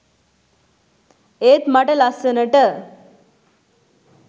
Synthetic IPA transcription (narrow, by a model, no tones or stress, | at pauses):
et̪maʈəlasənəʈə